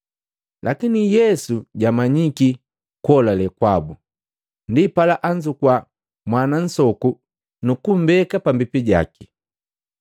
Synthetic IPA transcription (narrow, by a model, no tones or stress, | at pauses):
lʔakinijɛsuɟamaɲiki | kwɔlalɛkwabu | ndipalaʔaɲd͡ʒukwa | mwanan̩sɔku | nukum̩bɛkapambipiɟa̰ki̥